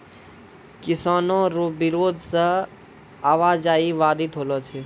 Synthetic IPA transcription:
kɪsaːnõɾoːbɪɾoːd̪ʱsə | aːʋaːd͡ʒaːiʋaːd̪it̪ɦoːloːt͡ʃʰeː

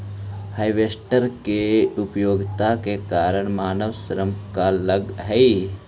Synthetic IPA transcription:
haːiʋeːsʈəɾkeʊpjoːɡt̪akekaːɾəɽ̃maːnəʋsəɾəmkaləɡɦɛi

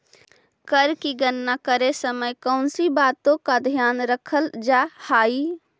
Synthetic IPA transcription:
kəɾkiɡənːakəɾesəməjkɔʊnsibaːt̪õkad̪ʱjaːnɾəkʰəld͡ʒaːhaːi

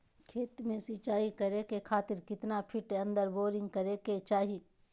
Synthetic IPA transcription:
kʰeːt̪mẽsit͡ʃaːɦikɐɾekekʰaːt̪ɪɾkɪt̪napʰɪʈeɐ̃nd̪əɾboːɾɪ̃ŋɡ̚kɐɾeket͡ʃaːɦi

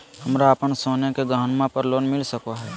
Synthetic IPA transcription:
hɐmɾaəpənsoːnekeɡaːɦnmãpəɾloːnmɪlsəkaɦɛː

